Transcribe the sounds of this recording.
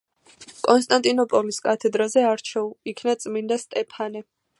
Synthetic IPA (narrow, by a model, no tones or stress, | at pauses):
kʼɔnst̪ʼant̪ʼinɔpʼɔliskʼat̪ʰɛd̪ɾazɛaɾt͡ʃʰɛuikʰnat̪sʼmind̪ast̪ʼɛpʰanɛ